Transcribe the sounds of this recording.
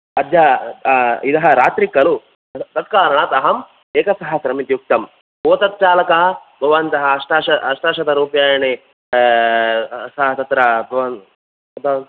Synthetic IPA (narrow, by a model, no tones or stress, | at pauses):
ɐd̪jaː | id̪ɐɦɐɾaːt̪ɾikɐlu | t̪ɐt̪̚kaːɾɐɳɐt̪ɐɦɐm | eːkɐsɐɦɐsɾɐmit̪juk̚t̪ɐm | poːt̪ɐt̪̚t͡ʃaːlɐkɐɦɐ̆bʱɐʋaːnt̪ɐɦɐɐʂʈaːʃɐɐʂʈaːʃɐt̪ɐɾuːpjaːjɐɳe | sɐɦɐt̪ɐt̪ɾɐbʱɐʋaːn | ɐt̪ɐ